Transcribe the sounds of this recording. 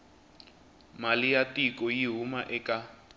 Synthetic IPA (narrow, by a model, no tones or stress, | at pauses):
malijatʼikʼɔjiɦumaʔɛkʼa